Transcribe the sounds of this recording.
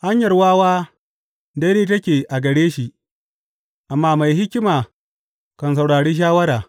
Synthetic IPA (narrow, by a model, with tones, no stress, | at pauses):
ha˦ɲjɐ˨rwaː˦waː˦ | dɐ˦ɾeː˦tɐ˦kʲeː˨ʔa˨ɡɐ˨ɽeː˦ʃi˨ʔ | ʔa˨mːaː˦ma˨jɦɪ˦kʲɪ˦maː˨ | kɐ˨ns̬ɐ˨wɽaː˨ɽeː˦ʃ̬aː˦wɐ˦ɾaː˨